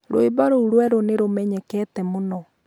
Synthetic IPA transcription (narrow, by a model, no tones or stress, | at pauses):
ɾo̰ebaɾouɾwɛɾoneɾomɛɲɛkɛtɛmonɔ